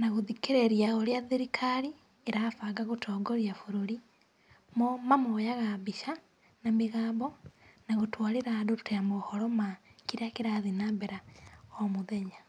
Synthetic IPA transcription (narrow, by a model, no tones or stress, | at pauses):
naɣuðikeɾeɾjaoɾjaðiɾikʰaɾi | eɾafaɡaɣutʰoːɡoɾjafuɾoɾi | momamojaɣaβiʃa | namiɣaːmbonaɣutwaɾeɾadotejamohoɾomakiɾakiɾaðinaːmbeɾaomuðeɲa